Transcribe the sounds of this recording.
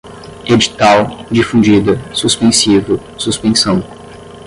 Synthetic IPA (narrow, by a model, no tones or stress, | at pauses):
ed͡ʒit̪awd͡ʒifũd͡ʒid̪ɐsuspẽsivʊ | suspẽsɐ̃w̃